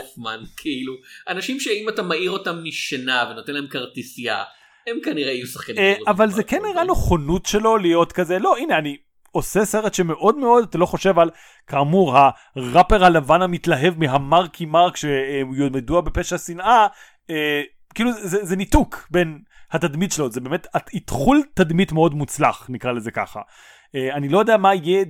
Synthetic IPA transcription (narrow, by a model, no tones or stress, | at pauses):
zmankʰiiluʔanaʃimʃeimatamaʔiʁo̞tamːiʃenaveno̞t̪enlahemkaʁtisia̰ | emkaniʁeajusḁχkanʔavalzekenːiʁanoχonutʃe̞lo̞lijo̞tkaze̞lo̞ineani | o̞sese̞ʁetʃeme̞ʔo̞d̪me̞o̞d̪atalo̞χo̞ʃe̞val | kaːmuʁha | ʁapeʁhalavanhamitlaɦe̞vmiɦamaʁkʰimaʁkʃemjomeduabe̞peʃasina | e | kiːluzezenitukbe̞n | hatadmidʃelozebemetaitχultadmitmeo̞dmut͡slaχnikʁaleze̞ka̰χa̰ | eanilo̞jodeamaije